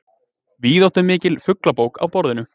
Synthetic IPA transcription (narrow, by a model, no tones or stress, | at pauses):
viːðɔht̪ʏmːɪːcɪlfʏklapoːwka̰wpɔɾðɪnʏ